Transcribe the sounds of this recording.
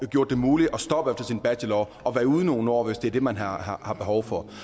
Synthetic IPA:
ɡ̥jo̝ɐ̰d̥e̝muːliʔɒ̽sd̥ɒ̽b̥əefd̥ɐsinb̥æɕelɒ | ɒ̽ʋæːɐuð̞ˠno̝ːn̩ɒ̰ːʋesd̥eæɐd̥e̝mænɦɑ̈hɑhɑ̈b̥e̝ɦɒʊfɒ̽

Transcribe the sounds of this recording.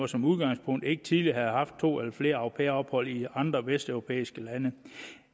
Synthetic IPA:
ɐsɒ̽muðˠɡ̥ɑ̈ŋ̰spʰɔ̽ŋ̰d̥e̝ɡ̥ət͡sʰið̞ˠliɐɦæð̩ˠhɑ̈fd̥̚t͡sʰo̝̰ːelɐfle̝ːɐɑo̥pʰḛːɐɒ̽b̥hɒ̽l̰iɑ̈nd̥ʁɐʋesd̥œʊʁo̝pʰḛːisɡ̥əlænə

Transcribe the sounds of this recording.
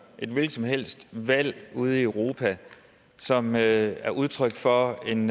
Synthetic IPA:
ʔe̝d̥ʋelɡ̥sɒ̽mɦel̰sd̥ʋæl̰uð̞ˠiəʊʁo̝ːpʰæ | sɒ̽møæɐʔuð̞ˠt͡sʰʁœɡ̥fɒ̽e̝n

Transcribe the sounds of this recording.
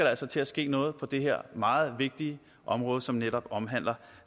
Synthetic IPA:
ɐɾ̥eæl̰sɒt͡sʰe̝æsɡ̥e̝̰ːnɔ̽ːð̞̩ˠpʰɒ̽d̥e̝ɦeɐ̰mɑ̈ːð̩ˠʋe̝ɡ̥̚d̥iə | ʔɒ̽mʁɔ̽ːð̞ˠəsɒ̽mneɾɒ̽b̥ɒ̽mɦæn̰lɐ

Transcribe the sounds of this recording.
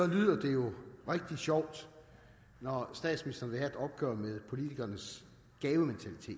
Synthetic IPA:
sɒ̽ly̰ð̰ˠɐd̥e̝jo̝ʁeɡ̥̚d̥i̥ɕɒʊ̰d̥ | nɒsd̥ɛ̰ːd̥sminisd̥ɐnʋe̝hæed̥ɒ̽b̥̚ɡ̥ɶ̰ːɐmeðˠpʰo̝lit͡sʰiɡ̥ɐnəs | ɡ̥ɛːʊəment͡sʰælit͡sʰe̝̰ːd̥

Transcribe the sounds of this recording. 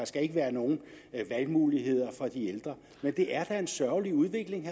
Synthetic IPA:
ɑ̈sɡ̥æe̝ɡ̥əʋæːɐno̝ːn̩ | ʋælmuːliɦe̝ð̰ˠɐfɒ̽d̥ield̥ʁɐ | mend̥e̝ʔæɐd̥æe̝nsɶɐliuð̞ˠʋe̝ɡ̥le̝ŋ

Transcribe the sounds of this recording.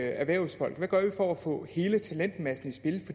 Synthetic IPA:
æɐʋæɐʊsfɒ̽l̰ɡ̥ʋæɡ̥ɶɐʋifɒæfɔ̰̽he̝ːlət͡sʰælen̰d̥mæsn̩isb̥e̝lfɒ̽d̥

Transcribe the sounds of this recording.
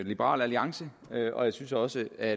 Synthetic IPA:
lib̥əʁɑ̰̈ːlæliɑ̈ŋsə | øʔɒ̽jäɪsynsɒ̽səæ

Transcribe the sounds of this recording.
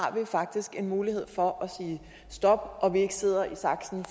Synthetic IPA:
ɑ̈ʋifɑ̈ɡ̥̚d̥isɡ̥e̝nmuːlihe̝ð̞̰ˠfɒ̽ʔɒsiː | sd̥ɒ̽b̥̚ʔɒ̽ʋie̝ɡ̥əse̝ð̞̰ˠɐʔisɑ̈ɡ̥sn̩f

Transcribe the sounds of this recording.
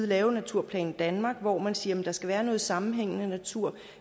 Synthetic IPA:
ð̩ˠlɛːʊnæt͡sʰuɐ̰pʰlɛ̰ːn̩d̥ænmɑ̈ːɡ̥ʋɒmænsiːɐmend̥ɑ̈sɡ̥æʋæːɐnɔ̽ːð̞̩ˠsɑ̈mm̩ɦeŋ̰ənənæt͡sʰuɐ̰

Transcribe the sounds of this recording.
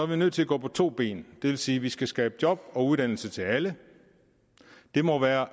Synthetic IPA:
ɒɐʋinøð̰ˠt͡sʰe̝læɡɔ̰ːpʰɒ̽t͡sʰo̝̰ːb̥e̝̰ːnd̥e̝ʋe̝lsiːʋisɡ̥æsɡ̥ɛːb̥əd̥jɒ̽b̥ɒ̽uðˠd̥æn̰l̩sət͡sʰe̝lælə | d̥e̝mɒ̽ʋæːɐ

